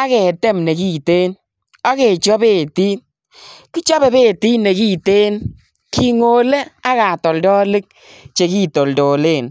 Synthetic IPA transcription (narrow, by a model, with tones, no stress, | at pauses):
a˦kɛ˨tɛ˦mne˨ki˦te˦n | a˦ke˨t͡ʃɔ˦be˦˨ti˦ | ki˦t͡ʃɔ˦be˨be˦˨ti˦ne˨ki˦te˦n | ki˨ŋo˨le˦a˦ka˨tɔ˨ldɔ˦lɪ˦k̚ | t͡ʃe˨ki˦to˨ldo˨le˦˨n